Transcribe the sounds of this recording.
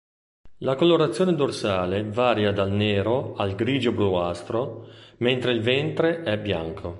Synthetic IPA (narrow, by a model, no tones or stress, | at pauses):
lakolːoɾat̪sːjoːned̪orsaːlevaːɾjad̪alneːɾoalɡɾiːd͡ʒobɾuast̪ɾoment̪ɾeilvɛnt̪ɾeɛbːja̰ŋkʰo